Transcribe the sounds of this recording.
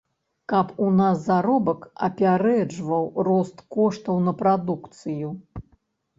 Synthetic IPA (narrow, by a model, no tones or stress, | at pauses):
kɐpunasːaɾɔbɐkɐ̰pʲaɾɛd͡ʐvɐwrɔst̪kɔʂt̪ɐwnɐpɾad̪ukt̪sɨju